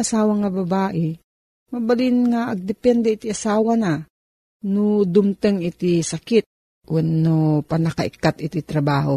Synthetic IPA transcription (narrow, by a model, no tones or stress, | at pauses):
ʔasaːwaŋɐbɐbaːʔɛ | mɐbalinŋaʔɐɡ̚d̪ɪpɛnd̪ɛit̪iʔasaːwana | nʊd̪ʊmt̪əŋɪt̪isakɪt̪̚ | ʔwonnopɐnɐkaʔɪ̰kːat̪ʔɪt̪it̪ɾɐbaːɦo